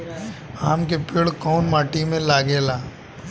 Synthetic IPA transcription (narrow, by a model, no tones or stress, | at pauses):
aːmkepɪɽkɔːnmaːʈimẽlaːɡeːlaː